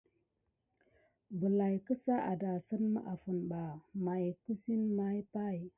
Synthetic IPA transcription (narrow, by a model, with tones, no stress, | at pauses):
bə˨la˨jkə˦sa˦ʔa˨da˨sə˦nmə̰˦ʔa˨fu˨nba˨ma˨jku˦si˦nma˦jpa˦j